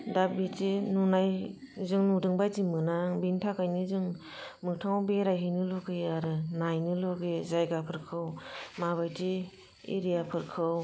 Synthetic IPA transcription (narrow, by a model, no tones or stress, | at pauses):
dabitinunaj | zɯŋnudɯŋbajtimɯnaŋbintʰakajnɯzɯŋ | mɯktʰaŋwbeɾajɦɯjnɯlɔɡeaɾɯnajnɯlɔɡezajɡapʰɯɾkʰɯwmaβajti | ḭɾijapʰɯɾkʰɯw